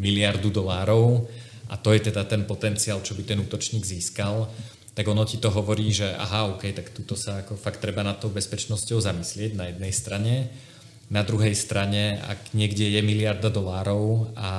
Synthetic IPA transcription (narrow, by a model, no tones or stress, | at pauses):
milɪaɾd̪ud̪ɔlaːɾɔʊ | ʔa̰t̪ɔjɛt̪ɛd̪at̪ɛnpɔt̪ɛnt͡siaːlt͡ʃɔbit̪ɛnuːt̪ɔt͡ʃɲiːɡziːskal | t̪aɡɔnɔcit̪ɔɦɔʋɔɾiːʒɛʔa̰ɦaɔkɛjt̪akt̪uːt̪ɔsaːkɔfakt̪ːɾɛbanat̪ːɔʊbɛspɛt͡ʃnɔscɔʊzamislɪɛɟnajɛd̪̚nɛjst̪ɾaɲɛ | nad̪ɾuɦɛjst̪ɾaɲɛa̰ɡɲɪɛɡɟɛjɛmilɪaɾd̪ad̪ɔlaːɾɔʊa